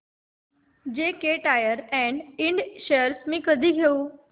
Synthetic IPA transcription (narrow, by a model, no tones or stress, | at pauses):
d͡ʑeːkeʈaːjəɾɛ̃ːɳɖɪ̃ɳɖʃejəɾsmĩkəd̪ʱiɡʱijoː